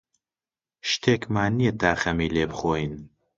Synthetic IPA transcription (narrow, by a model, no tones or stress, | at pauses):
ʃt̪ʰeːkmaːnijet̪ʰaːxɐmiːleːbɨxoːjin